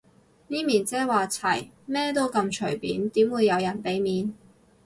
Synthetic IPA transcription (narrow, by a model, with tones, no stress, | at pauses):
niː˥miː˨˩nt͡sɛː˥waː˨t͡sʰɐ̰˨˩j | mɛː˥t̪o˥wkɐ˧mt͡ʃʰɵ˨˩ɥpiː˨˥nt̪iː˨˥mwuː˨˧jːɐ˨˧wjɐ˨˩npe˨˥jmiː˨˧n